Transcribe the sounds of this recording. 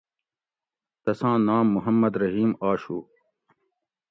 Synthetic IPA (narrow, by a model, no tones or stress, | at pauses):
t̪ɐsãːnaːmːʊɦɐmːɐd̪ɾɐɦiːmaːɕuː